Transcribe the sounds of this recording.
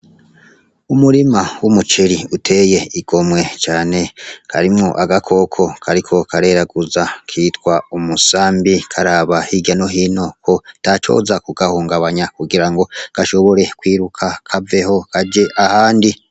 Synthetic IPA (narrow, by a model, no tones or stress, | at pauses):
umuɾimawumut͡ʃiɾiutʰe̞ːje̞iɡ̥o̞mwe̞t͡ʃaːne̞kʰaɾimŋoʔaɡakʰo̞kʰo̞kʰaɾikʰo̞kʰaɾe̞ːɾaɡuzakʰiːtwaumusaːmbikʰaɾaːβahiɡanoɦino̞kʰo̞tat͡ʃo̞̰ːzakuɡahuːŋɡaβaɲakuɡiɾaŋɡo̞kaʃo̞βo̞ɾe̞kwiːɾukʰakʰave̞ho̞kaɟe̞ʔahaːndi